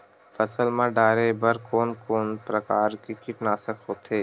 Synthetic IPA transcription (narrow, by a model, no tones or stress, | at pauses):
fɐsəlmãɖaːɾebɐɾkoːnkoːnpɾɐkaːɾkikɪʈnaːsəkɦoːt̪ʰeː